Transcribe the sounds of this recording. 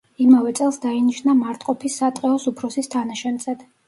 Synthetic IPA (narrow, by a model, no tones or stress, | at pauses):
imavɛt̪sʼɛlˠsd̪ainiʃnamaɾt̪ʼqʼɔpʰisat̪ʼqʼɛɔsupʰɾɔsist̪ʰanaʃɛnt̪zɛd̪̥